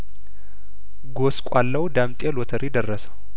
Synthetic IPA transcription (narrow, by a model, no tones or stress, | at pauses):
ɡoskʷʼalːəwd̪amt̪ʼelɔt̪ʰəɾid̪ərːəsə̥w